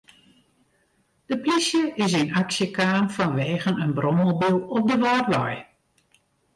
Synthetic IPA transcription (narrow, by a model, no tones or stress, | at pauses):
d̥əplisjəʔɪsɪnaksjəkaːmfɔnʋeːɣənənbrɔməlˠbulˠɔp̚dəʋaːrʋɔ̰j